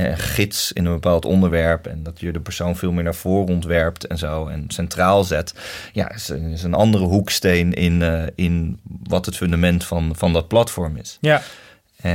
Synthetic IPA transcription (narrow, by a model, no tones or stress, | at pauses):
ɛɛ̰nχɪtsɪ̰nə̃nbəpaːlˠtɔ̰ndəɹʋɛɹpɛ̰ndɑtjədəpəɹsownvɪːlˠmɪːɹnaːɹv̥ʊːrəɔntʋɛɹptɛnzowɛ̰nsɛntraːlˠzɛtja̰ːɪsɪs̬ənɑ̰ndərəɦukstejnɪnɪnʋɑtɦətfɵndamɛntfɑnfɑndɑt̚plɑtfɔɹmɪ̰s | ɛ